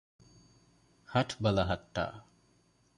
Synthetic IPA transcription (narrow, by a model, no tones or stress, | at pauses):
hɐʈʰbɐlɐɦɐʈːa̰ː